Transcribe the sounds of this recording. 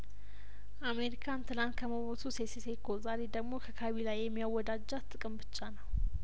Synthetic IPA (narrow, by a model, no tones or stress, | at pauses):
ʔame̞ɾikʰant̪ʰɨlant̪kʰəməβot̪ʰusesesekʰozaɾe̞d̪əɡmo̞kʰəkʰaβilajːɛmːijawːɔd̪ad͡ʒːat̪ʼːɨkʼɨmbɨt͡ʃʼːanəw